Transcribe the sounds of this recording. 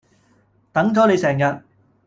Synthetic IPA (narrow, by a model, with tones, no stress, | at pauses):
t̪ɐ˨˥ŋt͡sɔː˨˥ne˨˧jsɛː˨˩ŋjɐ˨t̚